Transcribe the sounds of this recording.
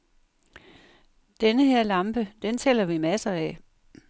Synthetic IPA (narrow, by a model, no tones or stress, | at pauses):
d̥enəɦeɐ̰lɑ̈mb̥əd̥ent͡sʰelɐʋimæsɐɛ